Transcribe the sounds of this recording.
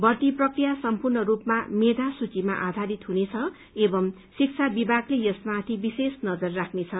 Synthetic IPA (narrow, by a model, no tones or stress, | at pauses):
bʌt̪iprʌkrijasʌmpurnʌɾupmamed̪ʱasut͡sima̰ʔad̪ʱaɾit̪ɦunet͡sʰʌ | ebʌm | sik̚t͡sʰabibʱaɡlejʌsmat̪ʰibisesnʌd͡zʌrːakʰnet͡sʰʌ